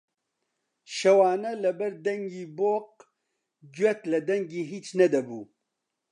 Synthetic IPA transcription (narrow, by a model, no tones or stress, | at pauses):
ʃɐwɑːnɐlɐbɐɾd̪ɐŋɡiːboːq̚ | d͡ʒɥɛt̪lɐd̪ɐŋɡiːɦiːt͡ʃnɐd̪ɐbuː